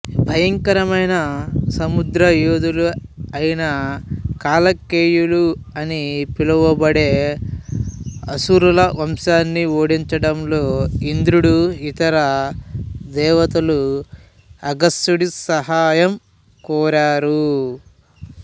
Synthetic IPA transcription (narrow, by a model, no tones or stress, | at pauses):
bʱɐjɐŋkɐɾɐmɐjnɐsɐmud̪ɾɐjuːd̪uluɐjinɐkaːlɐkːeːjuluɐnipilɐʋɐbɐɽeː | ɐsuɾulɐʋɐmʂaːnːioːɽiɲt͡ʃɐɽɐmlo̞ːind̪ɾuɽuit̪ɐɾɐ | d̪ɛːʋɐt̪ɐlu | ɐɡɐstuɽisɐɦaːjɐm | kɔːɾaːɾu